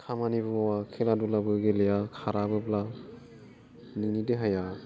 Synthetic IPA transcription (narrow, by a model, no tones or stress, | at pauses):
kʰamanibɯmawakʰeladulabɯɡelejakʰaɾabɯbla | ninideɦaja